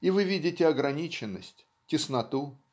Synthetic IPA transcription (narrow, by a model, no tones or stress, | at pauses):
ivɨvʲidʲɪtʲɪɐɡɾɐnʲit͡ɕɪnːə̰sʲtʲ | tʲɪsnɐt̪u